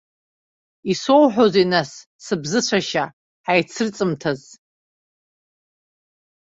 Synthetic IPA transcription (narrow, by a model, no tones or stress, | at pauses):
isowħʷᶣozinasː | ɨbzɨt͡ɕʷʰaʃa | ħajt͡sʰɨrt͡sʼɨmtʰaz